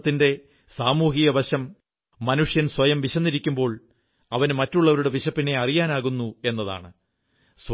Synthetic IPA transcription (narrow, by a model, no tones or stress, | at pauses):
t̪ːinde̞ | saːmuːɦiɣɐbɐɕɐmː | ɐnuʂjɐnswɐjɐmʋiɕɐnːiɾikʲːumbo̞ːɭ | ɐʋɐnmɐtːuɭːɐʋɐɾuɽe̞ʋiɕɐpːinːe̞ɐrijaːnaːɣunːue̞nːɐða̰ːɳɨ | s